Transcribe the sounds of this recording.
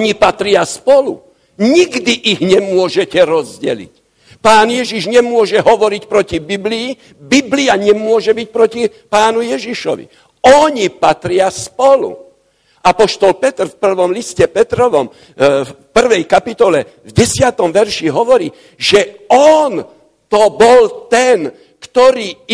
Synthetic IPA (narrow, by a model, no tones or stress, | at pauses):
ɔɲipat̪ɾɪaspɔlṵ | ɲiɡd̪iʔiɣɲɛmʊɔʒɛcɛɾɔzɟɛ̰lḭc | paːnjɛʒiʒɲɛmʊɔʒɛɦɔʋɔɾicpɾɔcibibliː | bibliaɲɛmʊɔʒɛbic̚pɾɔcipaːnujɛʒiʃɔ̰ʋḭ | ɔɲipat̪ɾɪaspɔlṵ | ʔapɔʃt̪ɔlpɛt̪r̩fpr̩ʋɔmliscɛpɛt̪ɾɔʋɔm | pr̩ʋɛjkapit̪ɔlɛ | vɟɛsɪat̪ɔmʋɛɾʃiɦɔʋɔɾiː | ʒ̥ɛɔn | t̪ɔbɔlt̪ɛn | kt̪ɔɾiː